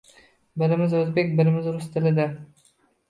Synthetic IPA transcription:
bɪɾɪmɪzɵzbekʲbɪɾɪmɪzɾʊst̪ʰɪlɪd̪ɪ

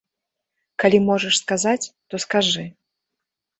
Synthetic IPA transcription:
kalʲimɔʐɛʂskazat͡sʲt̪ɔskaʐɨ

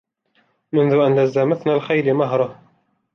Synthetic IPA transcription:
mʊnðʊʔanlazːamaθnalxajlɪmaɦɾˤɑ

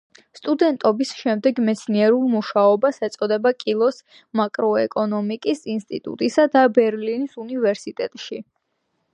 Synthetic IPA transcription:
st̪ʼud̪ɛnt̪ʼɔbisʃɛmd̪ɛɡmɛt̪sʰniɛɾulˠmuʃaɔbasɛt̪sʼɔd̪ɛbakʼilˠɔs | makʼɾɔɛkʼɔnɔmikʼisinst̪ʼḭt̪ʼṵt̪ʼisad̪abɛɾlinisunivɛɾsit̪ʼɛt̪ʼʃi

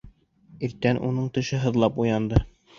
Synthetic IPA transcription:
iɾt̪ːænʔunɤɴt̪ɘ̆ʃɘɦɤ̆ðlˠɑpujɑnd̪ɤ

